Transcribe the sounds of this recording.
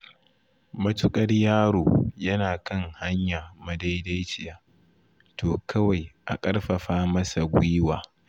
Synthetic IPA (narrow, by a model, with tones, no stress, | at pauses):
mɐ˦tʊ˦kʼɐ˦rjaː˦ɽoː˨jɐ˦naː˨kɐ˦ŋha˦ɲjaː˨mɐ˨da˦jda˦jt͡ʃɪ˨jaː˨ | toː˨kʰɐ˦wa˨jʔa̰˨kʼɐ˦rɸɐ˨ɸaː˦mɐ˦sa˨ɡʷʊ˦waː˨